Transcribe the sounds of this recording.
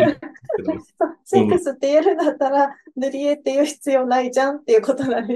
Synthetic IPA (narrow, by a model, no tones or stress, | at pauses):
sosekɯsɨt̪ːejaɾɯ̟̃nd̪at̪ːaɾanɯɾʲiet̪ːejɯ̟çi̥t͡sɨjo̞naid͡ʑãnt̪ːe̞jɯ̟ko̞t̪onãɲi